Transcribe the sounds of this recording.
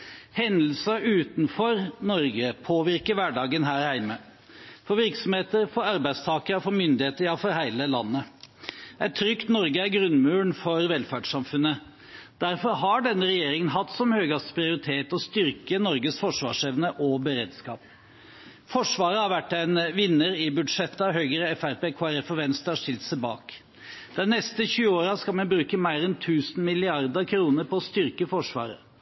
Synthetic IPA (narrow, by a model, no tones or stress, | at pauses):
hɛnd̪l̩səʔʉːt̪nfɔɾnɔɾɡəpʰoːʋɪɾkəɾʋæɖɑːɡənɦæːɾhæɪmə | fɔɾʋɪɾksɔmheːt̪əɾfɔɾɑɾbæɪst̪ʰɑːkəɾfɔɾmʏnd̪ɪheːt̪əɾjɑfɔɾhæɪləlɑnːə | æɪt̪ʰːɾʏkt̪nɔɾɡəæɾɡɾʉnmʉːɳfɔɾʋɛlfæːɖʂɑmfʉnːə | d̪̥æɾfɔɾɦɑɖɛnːəɾɛjeːɾɪŋənɦɑt̪ːsɔmhøːɡɑspɾɪʊɾɪt̪ʰeːt̪ɔst̪ʏɾkənɔɾɡəsfɔʂʋɑ̰ːʂɛʋnəʔɔbəɾeːd̪skɑ̰ːp̚ | fɔʂʋɑːɾəhɑɾʋæʈːæɪnʋɪnːəɾɪbʉd̪ʂɛt̪ːɑʋɦœʏɡəɾəɛfæɾpeːkʰoːæɾɛfɔʋɛnst̪əhɑʂɪlt̪sæɪbɑ̰ːk | d̪̥ɛnːɛst̪əçʉːəoːɾɑskɑlmɛnbɾʉːkəmæɪɾɛnt̪ʰʉːsn̩mɪlɪɑɾd̪əkʰɾuːnəɾpɔɔst̪ʏɾkəfɔʂʋɑ̰ːɾə̰